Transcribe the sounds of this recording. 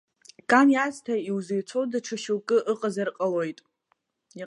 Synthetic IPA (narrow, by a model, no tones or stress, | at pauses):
kʼanjaztʰaiwzejt͡sʰo̞wdaʈ͡ʂʰaʃɪlkʼɨʔɨqʼazarqʼalojtʼ | i